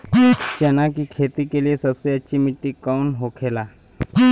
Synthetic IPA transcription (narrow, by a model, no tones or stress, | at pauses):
t͡ɕɛnak̬ikʰet̪ikelijesəbseətːʃʰimiʈːikaunɦokʰela